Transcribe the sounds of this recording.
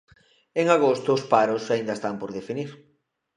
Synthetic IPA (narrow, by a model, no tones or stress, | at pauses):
eŋaɣost̪ʊːspaɾʊsaĩnd̪ɐest̪ampoɾðefiniɾ